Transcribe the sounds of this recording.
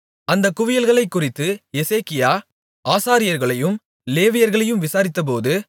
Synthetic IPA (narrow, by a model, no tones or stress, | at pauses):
ɐnd̪ɐkʊʋɪjɐlɣɐɭɐɪkːʊrɪt̪ːɯɛseːkɪjaː | ʔaːsaːɾɪjɐɾɣɐɭɐjɯm | leːʋɪjɐɾɣɐɭɐjɯmʋɪsaːɾɪt̪ːɐp̬oːðɯ